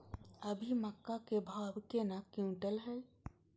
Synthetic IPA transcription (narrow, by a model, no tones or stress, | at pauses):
əbʱiməkːakebʱaːbkenakjũːʈəlɦɛː